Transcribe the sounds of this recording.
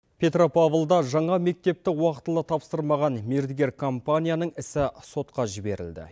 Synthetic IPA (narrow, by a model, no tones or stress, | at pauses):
pʲʰe̞t̪ropavəlˠd̪ɑʒɑɴɑme̞k̚t̪e̞p̚t̪ɪwɑqə̥t̪əlˠət̪ʰɑpsəɾmɑʁɑnmeɾd̪ɪɡʲe̞ɾkʰo̞mpanʲijanəɴɪsɪso̞t̪qɑʒɪbe̞ɾɪ̰ld̪ɪ̰